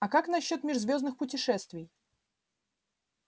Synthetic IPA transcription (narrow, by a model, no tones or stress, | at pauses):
ɐkaknɐɕːo̞t̪mʲɪʐzvʲo̞znɨxpʊtʲɪʂɛst̪vʲɪj